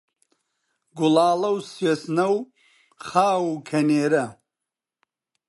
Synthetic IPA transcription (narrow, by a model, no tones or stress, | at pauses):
ɡulaːlɐwswesnɐw | χaːwukʰɐneːɾɐ